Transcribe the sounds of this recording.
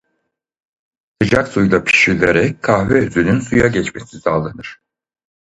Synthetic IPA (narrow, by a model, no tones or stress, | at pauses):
sɯd͡ʒaksujlˠapʰi̥ʃilʲeɾɛc̚kʰːahvɛyzynynsujaɟɛt͡ʃme̞sisalˠanɯɾ̥